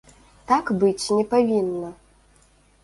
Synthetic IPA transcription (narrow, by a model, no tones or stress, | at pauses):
t̪akbɨt͡sʲnʲɛpavʲinːɐ